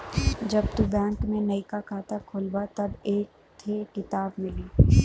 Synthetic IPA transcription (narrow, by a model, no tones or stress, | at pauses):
d͡ʒɐbt̪ubɛ̃ːŋkmẽnɐikakʰaːt̪akʰoːlbat̪ɐbeːk̚ | t̪ʰekɪt̪aːbmɪliː